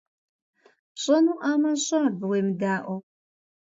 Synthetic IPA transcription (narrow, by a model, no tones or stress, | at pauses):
ɕʼɐnuːʔaːmɐɕʼaːbɨwejmɨdaːʔʷɔ